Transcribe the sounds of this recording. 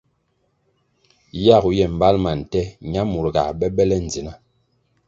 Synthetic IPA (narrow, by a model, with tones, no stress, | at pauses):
ja˦˨ɣu˨jɛ˨m̩˨ba˦lma˨n̩˨tɛ˦ɲa˦mu˨ɾɡa̰˨ɓɛ˦ɓɛ˦lɛ˦n˨d͡zi˨na˦